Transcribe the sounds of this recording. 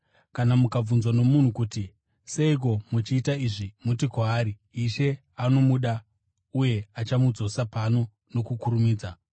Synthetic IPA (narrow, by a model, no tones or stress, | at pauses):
kanamukab͡vunzwano̞mun̤ukuti | seik̬o̞mut͡ʃiːtaiʐimutikwaːɾiː | ʃe̞ | ano̞muɗa | uje̞at͡ʃamud͡zo̞sapano̞ | no̞kukuɾumiːd͡za